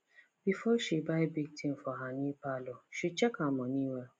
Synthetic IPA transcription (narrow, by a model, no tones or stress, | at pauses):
b̥ifɔʃibaɪbik̚tĩn̩fɔɦanĩpalɔʃit͡ʃɛkamɔ̃nĩwɛ